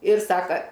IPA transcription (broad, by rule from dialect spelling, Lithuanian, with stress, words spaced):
ɪr ˈsɑːkɐ